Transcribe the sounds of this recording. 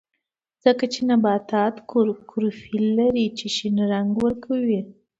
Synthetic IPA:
z̥əkat͡ʃenabɑt̪ɑt̪kɾkʰʊɾufilːaɾit͡ʃeʃinɾaŋɡwəɾkʰawi

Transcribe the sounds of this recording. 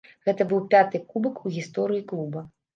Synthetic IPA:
ɣɛt̪ɐbɨwpʲat̪ɨkubɐkuɣʲist̪ɔɾɨjiklˠubɐ

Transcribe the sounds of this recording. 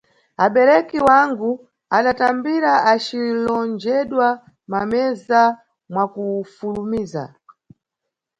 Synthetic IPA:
aɓɛɾɛkiwaŋɡu | aɗatambiɾaat͡ʃilɔnd͡ʒɛɗwa | mamɛza | mwakufulumiːza̰

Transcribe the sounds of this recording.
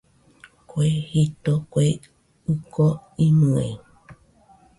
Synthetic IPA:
kʷehit̪okʷe | ɨkoimɨ̃ḛ̃

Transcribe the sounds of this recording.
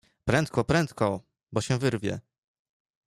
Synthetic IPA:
pɾɛnt̪̚kɔpɾɛnt̪kɔ | bɔɕɛ̃vɘɾvʲjɛ̰

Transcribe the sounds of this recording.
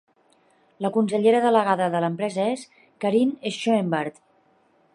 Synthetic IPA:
ləkunsəʎeɾəðələɣaðəðələmpɾɛzəes | kəɾinesʃoembeɾt̪

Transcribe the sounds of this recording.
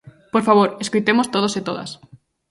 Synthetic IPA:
poɾfaβ̞oɾeskujt̪emost̪oð̞oset̪oða̰s

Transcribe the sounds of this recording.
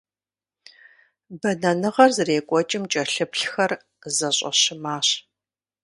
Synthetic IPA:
bɐnɐnɨʁɐrzɨreːkʷʼɔt͡ʃʼɪmt͡ʃʼɐɬɨpɬxɐr | zɐɕʼɐ̰ɕɪmaːɕ

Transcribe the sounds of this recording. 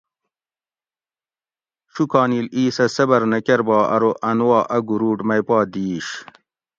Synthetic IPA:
ʂukɑːniːliːsɐsɐbɐɾnɐkeɾbɑːʔɐ̰ɾoʔɐnwɑːʔɐɡuɾuːʈmɐjpɑːd̪iːɕ

